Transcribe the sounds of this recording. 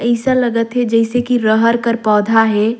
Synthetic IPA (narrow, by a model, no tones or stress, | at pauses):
əɪsə̃ləɡət̪ɦed͡ʒəɪsekiɾəɦəɾkəɾpɔːd̪ʱaɦe